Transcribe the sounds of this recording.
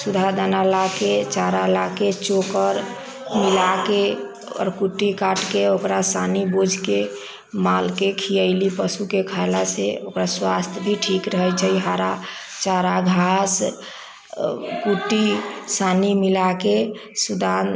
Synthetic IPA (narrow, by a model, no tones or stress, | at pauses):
sud̪ʱad̪analaket͡ʃaɾalaket͡ʃokəɾ | milake | ɔ̰ɾkuʈːikaʈkeokɾasanibod͡ʒʱke | malkekʰiəɪlipəsukekʰajlaseokɾaswast̪ʰbʱiʈʰikɾəɦət͡ʃʰəɦiɦaɾa | t͡ʃaɾaɡʱas | kuʈisanimilake | sud̪ʱa